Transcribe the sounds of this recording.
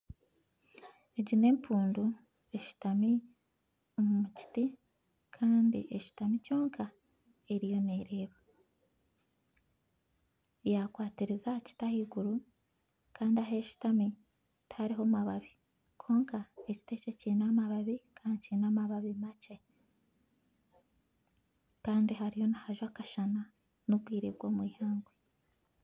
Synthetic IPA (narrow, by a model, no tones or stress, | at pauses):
eɟine̞ːmpʰuːndu | e̞ʃu̥tami | omumuci̥ti | kʰaːndḭʔeʃu̥tamico̞ːŋka | e̞ɾijo̞ne̞ːɾe̞ːβe | jakwaːtiɾezaci̥tahiɡuɾu | kʰaːndiaɦe̞ʃu̥tami | tʰaɾiɦo̞maβaβi | kʰo̞ːŋkae̞ci̥te̞ce̞ciːnamaβaβikʰaːnciːnamaβaβimace̞ | kaːndiɦaɾijo̞nahaʒwakaʃana | nobɡwiːɾebɡwo̞ːmwiːhaːŋɡwe